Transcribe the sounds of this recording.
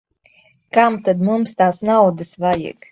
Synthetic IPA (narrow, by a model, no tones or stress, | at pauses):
kamt̪ad̪mumst̪aːsnawd̪ɨsvajḭk